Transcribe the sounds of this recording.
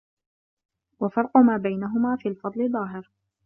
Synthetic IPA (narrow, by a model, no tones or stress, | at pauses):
wafɑɾˤqʊmaːbajnaɦʊmaːfiːlfɑd̪ˤlɪðˤɑːɦɪɾ